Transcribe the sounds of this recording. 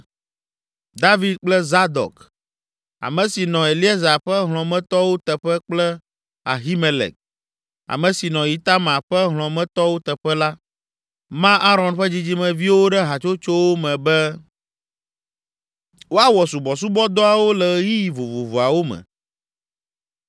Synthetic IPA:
d̪a˦vi˨d̪̚k͡plɛ˦za˦d̪ɔ̰˨k | a̰˨mɛ̃˨si˨nɔ̃˨e˨li˦e˦za˨ɸɛ˦ɦl̃ɔ̃˨mɛ̃˦t̪ɔ˦wo˦t̪ɛ˨ɸɛ˦k͡plɛ˦ | a̰˨ɦi˦me˨lɛ̰˨k̚ | a̰˨mɛ̃˨si˨nɔ̃˨ji˨t̪a˦mã˨ɸɛ˦ɦl̃ɔ̃˨mɛ̃˦t̪ɔ˦wo˦t̪ɛ˨ɸɛ˦la˦ | mã˦ʔa˦ɾɔ̃˨nɸɛ˦d͡ʑi˦d͡ʑi˦mɛ̃˨vi˦wo˦ɖɛ˦ɦa˨t͡ʃo˦t͡ʃo˦wo˦mɛ̃˨bɛ˦ | wo˦a˦wɔ˨su˨bɔ˨s̬u˦bɔ˦d̪ɔ˦a˨wo˦lɛ˨ji˦ji˨vo˨vo˨vu˨a˨wo˦mɛ̰̃˨

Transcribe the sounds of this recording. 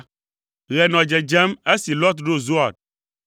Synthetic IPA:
ɣɛ˨nɔ̃˨d͡ʒɛ˨d͡ʒɛ˦me˦si˨lɔ˦t̪ɖo˦zu˦a˨d̚

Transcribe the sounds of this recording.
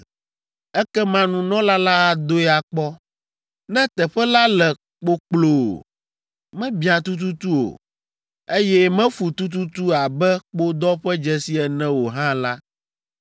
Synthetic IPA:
ɛ˦kɛ˦mã˦nũ˨nɔ̃˦la˦la˦ɣa˦d̪o˦ɛ˦a˨k͡pɔ˦ | nɛ̃˦t̪ɛ˨ɸɛ˦la˦lɛ˨ | k͡po˦k͡plo˨ | mɛ̃˦bĩ˦ã˨t̪u˦t̪̬u˦t̪u˦o̰˨ | e˦jɛ˦mɛ̃˦fu˨t̪u˦t̪̬u˦t̪u˦a˨bɛ˦k͡po˦d̪ɔ˦ɸɛ˦d͡ʒɛ˨si˦ɛ˨nɛ̃˦wo˨ɦã˦la˦

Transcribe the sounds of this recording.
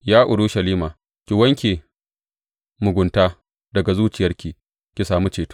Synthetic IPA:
jaː˦ʔʊ˨ɽu˦ʃɐ˨liː˦maː˨ | kʲi˨wɐ˦ŋkʲeː˨ | mʊ˨ɡʷʊ˨ntaː˦ | dɐ˨ɡa˨zuː˦t͡ʃɪ˨jɐ˦rkʲiː˨ | kʲi˨saː˨mu˦t͡ʃeː˨tu̥˦

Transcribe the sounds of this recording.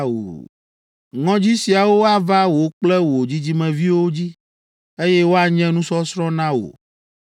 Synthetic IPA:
o̰˨ | ŋɔ̃˦d͡ʑi˦si˨a˨wo˦a˦va˦wo˨k͡plɛ˦wo˨d͡ʑi˦d͡ʑi˦mɛ̃˨vi˦wo˦d͡ʑi˦ | e˦jɛ˦wo˦a˨ɲɛ̃˦nũ˦sɔ˦sɾɔ̃˦nã˦wo̰˨

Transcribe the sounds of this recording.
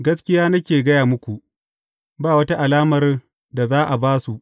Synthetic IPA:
ɡɐ˦skʲɪ˦jaː˦nɐ˦kʲeː˨ɡɐ˦jaː˨mʊ˦kʷu˨ʔ | baː˦˨wɐ˦ta˦ʔa˨laː˦mɐ˨r | da˨zaː˦ʔa˨baː˦su˨ʔ

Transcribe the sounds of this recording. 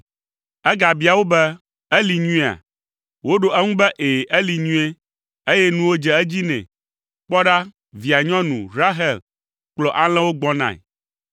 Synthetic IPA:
ɛ˦ɡa˨bi˨˦a˨wo˦bɛ˦ | ɛ˦li˨ɲũ˦˨a̰˨ | wo˦ɖo˨ɛ˦ŋũ˦bɛ˦ʔe˨ʔɛ˦li˨ɲũ˦e˦ | e˦jɛ˦nũ˦wo˦d͡ʒɛ˨ɛ˦d͡ʑi˦nɛ̰̃˨ | k͡pɔ˦ɖa˦ | vi˨a˨ɲɔ̃˦nũ˨ɾa˦ɦɛ˨l | k͡plɔ˨ʔa˦l̃ɛ̃˦wo˦ɡ͡bɔ̃˦nã̰˨

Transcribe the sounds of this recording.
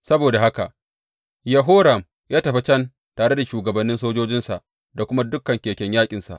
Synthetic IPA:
sɐ˦boː˨da˨ha˦ka˨ʔ | jɐ˨ɦoː˦ɾɐ˨m | jaː˦tɐ˨ɸe˦t͡ʃɐ˦n | taː˨ɽe˦da˨ʃuː˨ɡɐ˨bɐ˨nːɪ˦nsoː˦d͡ʒoː˦d͡ʒɪ˦nsa˨ʔ | da˨kʷʊ˦ma˦dʊ˦kːɐ˨ŋkʲeː˨kʲɛ˦ɲjaː˦kʲʼɪ˨nsa̰˨ʔ

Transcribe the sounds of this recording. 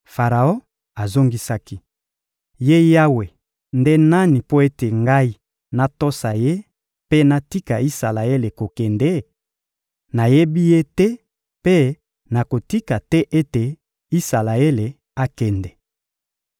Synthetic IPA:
fa˨ʁa˨o˦ | a˨zo˦ŋɡi˦sa˦ki˦ | je˦ja˦we˨ | nde˦na˦ni˨po˦e˦te˨ŋɡa˦i˦ | na˦to˦sa˨je˦ | pe˦na˦ti˦ka˨i˦sa˨la˨e˦le˨ko˨kɛ˨ndɛ˦ | na˨je˦bi˦je˦tɛ˦ | pe˦ | na˨ko˨ti˦ka˨tɛ˦ʔe˦te˨ | i˦sa˨la˨e˦le˨ | a˦kɛ˨ndɛ˨

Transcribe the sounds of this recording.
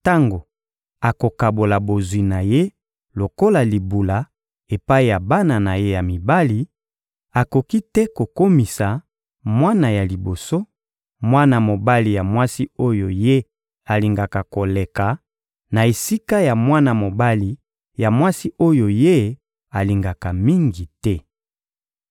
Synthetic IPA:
ta˦ŋɡo˨ | a˨ko˨ka˨bo˨la˨bo˨zwi˨na˨je˦ | lo˨ko˦la˨li˨bu˨la˨ | e˨pa˦i˨ja˨ba˦na˨na˨je˦ja˨mi˨ba˦li˨ | a˨ko˨ki˦tɛ˦ko˨ko˦mi˨sa˨ | mwa˦na˨ja˨li˨bo˨so˦ | mwa˦na˨mo˨ba˦li˨ja˨mwa˦si˦o˦jo˨je˦ | a˨li˨ŋɡa˨ka˨ko˨le˨ka˨ | na˨e˨si˦ka˦ja˨mwa˦na˨mo˨ba˦li˨ | ja˨mwa˦si˦o˦jo˨je˦ | a˨li˨ŋɡa˨ka˨mi˦ŋɡi˨tɛ˦

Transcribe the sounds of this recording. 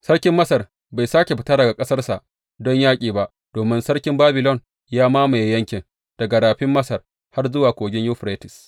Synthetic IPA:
sɐ˦rkʲɪ˦mːɐ˦sɐ˨r | ba˨jsaː˦kʲe˨ɸɪ˦tɐ˦ɾdɐ˨ɡa˨kʼɐ˦sɐ˦rsa˨ʔ | dɔ˦ɲjaː˦kʲʼiː˨ba˦˨ʔ | d̥oː˨mɪ˦nsɐ˦rkʲɪ˦mbaː˦bɪ˨lɔ˦˨n | jaː˦maː˦ma˨jjɐ˦ŋkʲɪ˨n | d̥ɐ˨ɡa˨ɾaː˨ɸɪ˦mːɐ˦sɐ˨r | ha˦rzʊ˦waː˨kʷoː˨ɡʲɪ˦ju˦ɸɾa˦tɪ˨s

